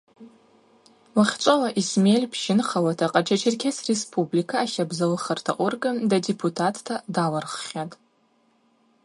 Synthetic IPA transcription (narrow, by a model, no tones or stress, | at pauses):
laχʲt͡ʃʷʼalaʔismelʲpʰʃɪnχalatʰaqʼat͡ʃʰat͡ʃʰɪrkʲʰasrespʰʼublikʰaːʃabzalɨχartʰa̰ʔʷʊrɡadadepʰutʰatʰːadalarχʲatʼ